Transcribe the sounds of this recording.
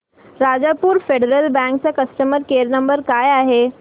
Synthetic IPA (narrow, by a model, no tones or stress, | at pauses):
ɾad͡zapuːɾfeɖəɾəlbɛ̃ŋkt͡sakəsʈəməɾkeːɾnəmbəɾkaːjaɦe